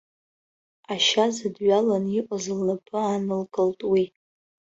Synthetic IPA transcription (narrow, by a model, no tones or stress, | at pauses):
aʃazɨdɥalaniʔʷʼazɨlnapʰɨanɨlkʼɨltʼwi